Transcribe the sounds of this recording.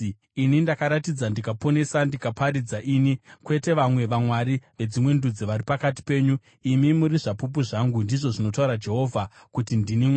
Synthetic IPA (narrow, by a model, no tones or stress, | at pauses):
inindakaɾatid͡zandikapo̞ne̞sandikapaɾid͡zaʔinikwe̞te̞ʋamwe̞ʋamwaɾiʋe̞d͡zimwe̞ndud͡ziʋaɾipakati̥pe̞ːɲu | imimuɾiʐapup̬uʐaŋɡundiʐo̞ʐino̞tauɾad͡ʒe̞ɦo̞ːvʱa | kutindini